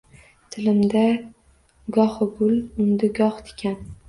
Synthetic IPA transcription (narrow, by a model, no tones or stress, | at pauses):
t̪ʰɪlɪmd̪a | ɡɒhɡʊlʊnd̪ɪɡɒχt̪ʰɪ̥kʲʰan